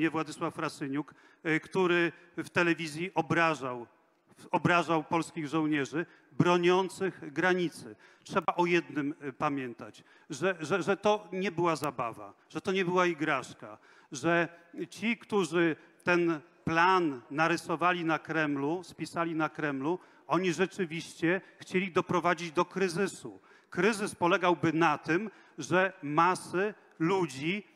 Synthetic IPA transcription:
ɲɛvwad̪ɘswafːɾasɘɲuk | kt̪uɾɘ | ft̪ɛlɛvʲizʲjiʔɔbɾaʐaw | ɔbɾaʐawpɔlskʲiɣʐɔ̃w̃ɲɛʐɘ | bɾɔɲɔnt̪sɘɣɡɾaɲit̪sɘ | tʂɛbaʔɔjɛd̪nɘmpamʲjɛnt̪at͡ɕ | ʐɛʐɛʐɛt̪ɔɲɛbɘwazaba̰va̰ | ʐ̥ɛt̪ɔɲɛbɘwaiɡɾaʂka | ʐɛt͡ɕikt̪uʐɘ | t̪ɛn | planːaɾɘsɔvalʲinakɾɛmluspʲisalʲinakɾɛmlu | ɔɲiʐɛt͡ʂɘvʲiɕt͡ɕɛxt͡ɕelʲid̪ɔpɾɔvad͡ʑid͡ʑd̪ɔkɾɘzɘsṵ | kɾɘzɘspɔlɛɡawbɘnat̪ɘm | ʐɛmasɘ | lud͡ʑi

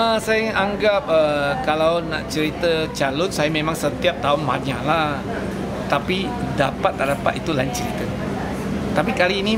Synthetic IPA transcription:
əsajaaŋɡap̚əkalawna̰ʔt͡ʃəɾit̪ət͡ʃalʊnsajamemaŋsət̪iap̚t̪aɦʊnma̰ɲala | t̪api | dapat̪̚ːaʔdapat̪it̪ulaiɲt͡ʃəɾit̪ə | t̪apikaliːni

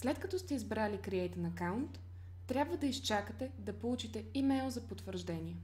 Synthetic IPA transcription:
slɛt̪kɐt̪ɔst̪ɛizbɾalikɾiɛjt̪ənɐkawnt̪ː | ɾʲabvəd̪ɐist͡ʃakət̪ɛd̪ɐpolˠut͡ʃit̪ɛimɛjlˠzɐpot̪vəɾʒd̪ɛnʲiɛ

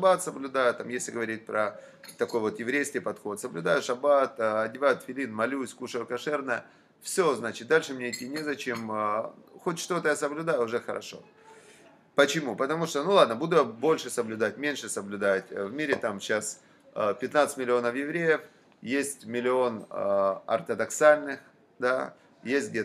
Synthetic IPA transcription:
ɐbat̪səblʲʊd̪ajʊt̪ːamjesʲlʲɪɡəvɐɾʲit̚ʲpɾə | t̪ɐko̞jvo̞t̪jɪvɾʲejskʲɪjpɐt̪xo̞t̪səblʲʊd̪ajʊʂɐbat̪ɐdʲɪvajʊt̪fʲɪlʲinmɐlʲusʲkuʂəjʊkɐʂɛrnəjə̰ | fsʲoznat͡ɕɪt̪̚d̪alʲʂɨmnʲeɪtʲːinʲɪzɐt͡ɕe̞m | xotʲʂt̪o̞t̪əjasəblʲʊd̪ajʊʊʐɛxəɾɐ̰ʂo̞̰ | pət͡ɕɪmupət̪ɐmuʂt̪onulˠad̪nəbud̪ʊjabo̞lʲʂɨsəblʲʊd̪atʲmʲenʲʂɨsəblʲʊd̪atʲvmʲiɾʲɪt̪amɕas | əpʲɪt̪nat̪sɨtʲmʲɪlʲɪo̞nəfjɪvɾʲejəf | jesʲtʲmʲɪlʲɪo̞n | ɐ̰rt̪əd̪ɐksalʲnɨx | d̪a̰ | jesʲt̚ʲɡ̚dʲe

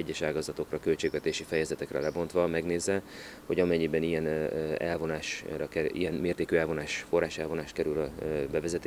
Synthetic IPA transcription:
ɛɟːɛʃaːɡɒzɒt̪o̞krɒkølt͡ʃeːɡvɛt̪eːʃifɛjɛzɛt̪ɛkrɛ̰lɛbo̞nt̪ʋɒmɛɡneːzːɛ | ho̞ɟɒmɛɲːibɛnijɛnɛ̰lvo̞naːʃrɒkɛḭjɛnmeːrt̪eːkyɛlvo̞naːʃfo̞rːaːʃɛlvo̞naːʃt̪̚kɛɾylɒbɛvɛzɛt̪

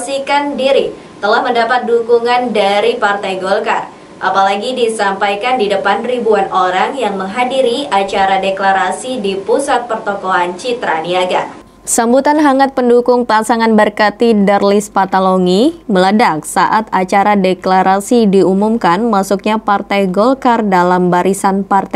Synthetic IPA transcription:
sikandiɾi | t̪əlahməndapat̪̚dukuŋandaɾipart̪ajɡolkar | ʔa̰palaɡidisampajkandidəpanribuanʔoɾaŋjaŋməŋɦadiɾiat͡ʃaɾadeklaɾasidipusat̪̚pərt̪ɔkoant͡ʃit̪ɾaniaɡa̰ | sambut̪anɦaŋat̪̚pəndukʊŋpasaŋanbərkat̪idərlɪspat̪aloŋimələdak̚saʔat̪at͡ʃaɾadeklaɾasidiumumkanmasuk̚ɲapart̪ajɡɔlkardalambaɾisanpart̪a

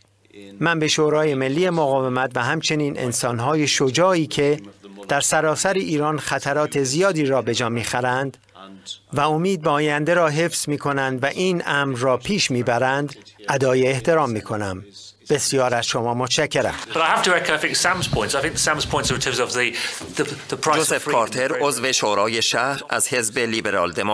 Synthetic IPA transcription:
mænbe̞ʃoːɾɒːje̞me̞lːiːje̞moɣɒːvemæt̪væɦæmt͡ʃʰe̞niːnʔe̞̰nsɒːnɦɒːje̞ʃod͡ʒɒːiːcʰe̞d̪̥æɾsæɾɒːsæɾiʔiːɾɒːnxæt̪ʰæɾɒːt̪ʰe̞zijɒːd̪iːɾɒːbe̞d͡ʒɒːmiːxæɾænd̪ | væomiːd̪̚beɒːjænd̪eɾɒːɦefz̥miːkʰo̞nænd̪væʔiːnæmɾːɒːpʰiːʃmiːbæɾænd̪ʔæd̪ɒːjeːht̪ʰe̞ɾɒːmːiːkʰo̞næm | b̥e̞sijɒːɾæz̥ʃo̞mɒːmot̪t͡ʃæcʰːeɾæ̰sb̥ʌɾaɪhaftəɹɛkə̃naɪθɪ̃ŋksãmz̥pʰɔ̃ɪ̃ntsaɪθɪ̃ŋk̚ðəsãmz̥pʰɔ̃ɪ̃ntsətʰɪvzəvðiðəðəpʰɹ̥aʒozefkʰɒːɾt̪ʰeɾozve̞ʃoːɾɒːje̞ʃæɾæ̰z̥he̞zbeliːbe̞ɾɒ̰ːld̪emo

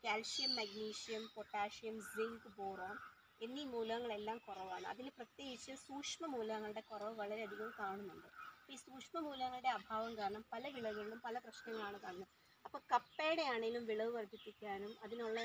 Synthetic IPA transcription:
kʲaːlsijɐmːɐɡniːʂijɐmpoʈːaːʂijɐmziŋɡɨboːroːm | e̞nːimuːlɐɣɐŋːɐɭe̞lːaːmkurɐʋaːɳɨɐ̰ðinɨprɐt̪je̞ːɡit͡ɕːɨsuːkʂmɐmuːlɐɣɐŋːɐɭɨɽe̞kurɐʋɨʋɐɭɐɾeɐd̪ʱiɣɐmkaːɳunːuɳɖɨɐpːisuːkʂmɐmuːlɐɣɐŋːɐɭɨɽe̞ɐbʱaːʋɐmkaːɾɐɳɐmpɐlɐʋiɭɐʋiɭɭumpɐlɐprɐɕnɐŋːɐɭaːɳɨkaːɳnːu | ɐpːoːkɐpːeːɽejaːɳeilumʋiɭɐʋɨʋɐɾb̪ipːikʲːaːnumɐðinuɭːɐ

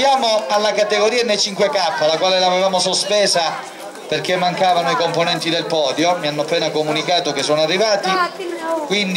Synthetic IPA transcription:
jaːmoalːakat̪eɡoɾiːanːejt͡ʃiŋkwekapːalakwaːlelavevaːmosospɛːza | perkemːaŋkaːvanoikomponɛnt̪id̪elpɔːd̪jomianːoapːɛːnakomunikaːt̪ok̟esːɔːnoarːivaːt̪i | kwind̪

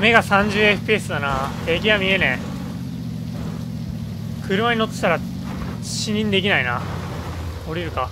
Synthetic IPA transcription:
me̞ɡasãɲ̟d͡ʑɨːe̞ɸɯ̟̥pʲiːsɨd̪anat̪ʰe̞ːkʲiβamʲie̞nẽ | kɯ̟ɾɯ̟maɲ̟ino̞t̪ːe̥t̪aɾa | ɕiɲ̟ĩnd̪e̞kʲinaina̰ | o̞ɾʲiɾɯ̟ka

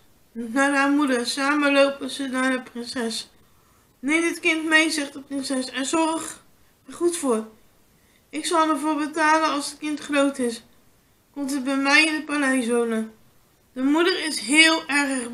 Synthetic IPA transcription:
naːdamudəɹsaːməlowpəzənaːɹdəprɪnsɛs | nejmdɪtkɪntmejzɛχt̚dəprɪnsɛsɛnzɔrχ | ɛɹχutfʊːr | ɪksɑlˠəɹvʊːɹbətaːlənɑlˠsət̚kɪntχrowtɪs | kɔmtətbɛjmɛjɪndəpalɛjsownə | d̥əmudəɹɪsɦɪːlˠɛɹəχ

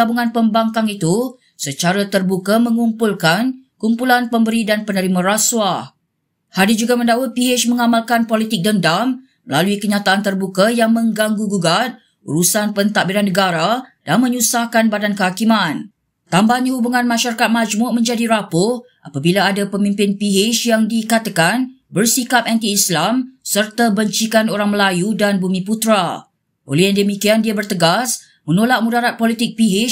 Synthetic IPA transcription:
abuŋãnpəmbaŋkaŋit̪u | sət͡ʃaɾat̪ərbukamə̃ŋumpulkankumpulanpəmbəɾidanpənəɾimaɾaswa | hadɪd͡ʒuɡamə̃ndawat̪̚piet͡ʃməŋamalkanpolit̪ɪk̚dəndamː | əlaluikəɲat̪aʔant̪ərbukajaŋmə̃ŋɡaŋɡuɡuɡat̪̚ | ṵɾusanpənt̪aʔbiɾanːəɡaɾad̥anmə̃ɲusahkanbadankəhakiman | t̪ambaɲahubuŋãnmãʃaɾakat̪̚mad͡ʒmʊʔmə̃ɲd͡ʒadiɾapʊ | ʔapabilaadapəmĩmpɪnpiɦɪʃjaŋdikat̪akan | bərsikap̚ant̪iːslamsərt̪abəɲt͡ʃikanoɾaŋməlajudanbumĩput̪ɾa | ʔo̰lɛhjaŋdəmikiandiabərt̪əɡas | mənolaʔ̚mũdaɾat̪̚polit̪ɪk̚piɦɪt͡ʃ

